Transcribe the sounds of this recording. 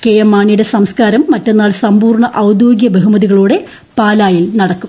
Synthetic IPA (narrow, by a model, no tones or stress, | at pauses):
kejɐmːaːɳijuɽe̞sɐmskaːɾɐmːɐtːe̞nːaːɭsɐmbuːrɳɐʔɐwd̪joːɡjɐbeɦumɐðiɣɐɭuːɽe̞ | paːlaːjilnɐɽɐkːum